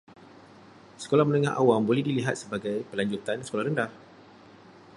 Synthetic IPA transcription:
sə̥kolahmənə̃ŋaɦa̰wambolɛhdiliɦat̪̚səbaɡajpəlaɲd͡ʒut̪ansə̥kolahɾəndah

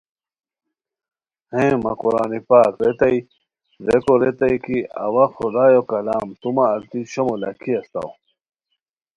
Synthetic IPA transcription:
hẽːmɐ̰kuɾaːnipaːkɾet̪ɐj | ɾekoɾet̪ɐjkiɐ̰wɐxud̪aːjokɐlaːmt̪umɐːɾt̪iɕomolɐ̰kʰiɐst̪a̰w

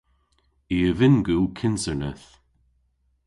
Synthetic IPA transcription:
iːəvɪnɡulkʰɪnsəɹnəθ

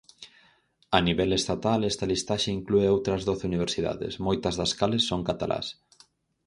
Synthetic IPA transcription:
ɐniβɛlest̪at̪alɛst̪ɐlist̪aʃeiŋklueowt̪ɾɐzðoθeuniβ̞eɾsiða̰ðɪ̰smojt̪ɐzðɐskalesːoŋkat̪alʔa̰s

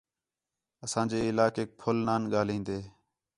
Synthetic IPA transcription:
əsãːd͡ʒeːɪlaːkeːk̚pʰʊlnaːnɠaːlĩːnd̪eː

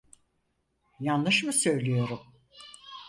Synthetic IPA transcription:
janɯʃmɯsø̞jlʲijo̞ɾum

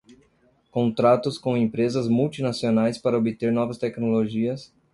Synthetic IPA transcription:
kõnt̪ɾat̪ʊskõẽpɾezɐzmuwt͡ʃinasionajspaɾɐobit̪eɾnɔvɐst̪ɛknoloʒiɐs

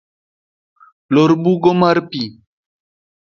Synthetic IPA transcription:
loɾbuɡomaɾpi

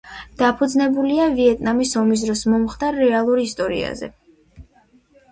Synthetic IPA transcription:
d̪̥apʰud̪znɛbuliaviɛt̪ʼnamisɔmis̬d̪ɾɔsmɔmχt̪ʼaɾːɛalˠuɾist̪ʼɔɾḭa̰zɛ̰

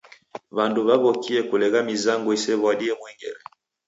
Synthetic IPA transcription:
βanduβaβɔkiɛkulɛɣamizaŋɡuisɛβaɗiɛmwiŋɡɛ̰ɾɛ

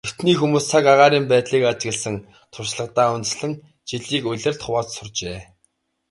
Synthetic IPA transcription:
t̪u̥t̪niːxumuːst͡sʰakaʁaːɾiːmpæːt̪ɮiːkat͡ɕɡɘ̆ɮsə̆ŋ | t̪ʰʊrʃɮə̆qt̪aːʊnt͡sɮə̆ŋ | t͡ɕiɮiːkʊɮɘ̆rt̪χʊwaːt̪sʊrt͡ɕeː

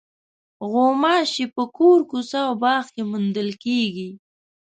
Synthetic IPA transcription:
ɣomɑʃipəkoɾkusawbɑːxkemʊnd̪əlkeɡi

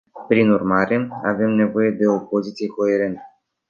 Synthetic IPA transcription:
pɾinurmaɾe̞ave̞mne̞vo̞je̞d̪e̞o̞po̞zit̪sije̞ko̞e̞ɾe̞nt̪ə̥

